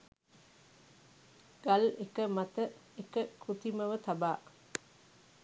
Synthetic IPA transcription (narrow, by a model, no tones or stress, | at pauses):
ɡ̥alekəmat̪əekəkɾut̪iməʋət̪abaː